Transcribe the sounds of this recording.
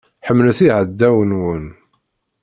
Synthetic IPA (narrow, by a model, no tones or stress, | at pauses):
ħəmːluθiʕəd̪ːæwənwən